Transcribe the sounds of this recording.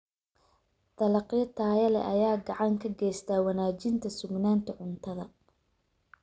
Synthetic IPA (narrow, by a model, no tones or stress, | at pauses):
t̪ɐlɑqjɐt̪ʰaːjɐlɛ̰ʔɐjaːɡɑʕɑŋkʰɐɡɛːjst̪ʰaːwɑnaːt͡ʃɪnt̪ʰɐsʊɡnaːnt̪ʰɐʕʊnt̪ʰɐðɐ